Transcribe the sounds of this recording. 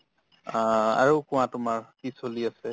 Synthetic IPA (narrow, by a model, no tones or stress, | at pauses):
a̰ɹokʊ̃w̃ãtʊmaɹkisoliasɛ